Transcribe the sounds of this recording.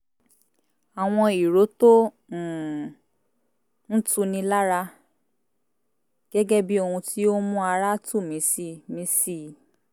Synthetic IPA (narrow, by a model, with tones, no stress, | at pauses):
a˨w̃ɔ̃˧i˨ɾo˨˦tõ˦˨ | n̩˦tũ˧nĩ˧la˦ɾa˧ | ɡ̥ɛ˦ɡɛ˦bi˦o˧hũ˧tʰi˦o˦mũ˦a˧ɾa˦tu˦˨mĩ˨˦si˦mĩ˧˦si˦˨˦